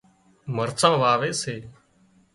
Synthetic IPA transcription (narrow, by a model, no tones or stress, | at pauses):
məɾsãːʋaːʋeːseː